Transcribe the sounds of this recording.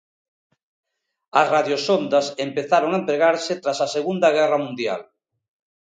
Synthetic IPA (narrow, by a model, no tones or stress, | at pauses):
ɐsraðjosond̪asempeθaɾoŋampeɣaɾset̪ɾasaseɣund̪ɐɣ̞ɛramũnd̪ja̰l